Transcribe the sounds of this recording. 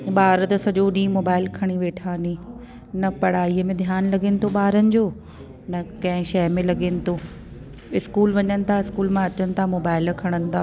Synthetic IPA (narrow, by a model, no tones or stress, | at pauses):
ɓaːɾt̪ɐsɐʄoɗĩːmoːbaːɪlkʰɐɽ̃iʋeːʈʰaːniː | nɐpɐɽ̤aːiəmẽd̪ʱjaːnlɐɡeːnɪ̆t̪ʰoɓaːɾənɪ̆d͡ʑoː | nɐkɐ̃ɦɪ̃ʃɐɦmẽlɐɠeːnɪ̆t̪ʰoː | ɪskuːlʋɐɲənɪ̆t̪ʰaɪskuːlmãɐt͡ɕənɪ̆t̪ʰamoːbaːɪlkʰɐɽ̃ənɪ̆t̪ʰaː